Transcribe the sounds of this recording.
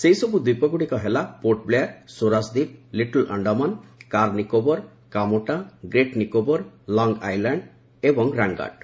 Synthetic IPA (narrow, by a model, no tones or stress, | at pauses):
sejsɔbud̪ipɔɡuɽikɔɦelapoɾʈ̚blejaɾsoɾasd̪ip̚liʈɔlʔʌ̰ɳɖɔmankaɾnikobɔɾ | kamoʈaɡɾeʈnikobɔɾlɔŋɡajlaɳɖ | ebɔŋɾaŋɡa̰ɖ